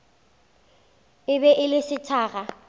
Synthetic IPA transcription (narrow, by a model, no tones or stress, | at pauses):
ɪbɛʔɪlɪsɪtʰaːɣa